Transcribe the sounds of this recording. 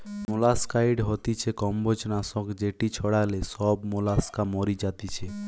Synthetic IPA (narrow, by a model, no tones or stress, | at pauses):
molaskajɖɦot̪it͡ɕʰekɔmbod͡ʑnasɔkd͡ʑeʈit͡ɕʰɔɽalesɔbmolaskamɔɾid͡ʑat̪it͡ɕʰe